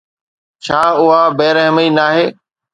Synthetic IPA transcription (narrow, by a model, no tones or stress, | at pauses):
t͡ɕʰaːʊɦabeːɾəɦmiːnaːɦeː